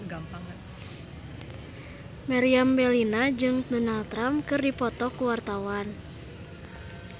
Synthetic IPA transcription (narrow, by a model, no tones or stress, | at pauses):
maɾiambɛlinad͡ʒɨŋdɔnalt̪ɾamkɨrdipɔt̪ɔkuwart̪awan